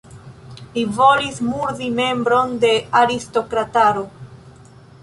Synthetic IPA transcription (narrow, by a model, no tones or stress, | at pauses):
livo̞lismuɾðime̞mbɾo̞nde̞aɾisto̞kɾataɾo̞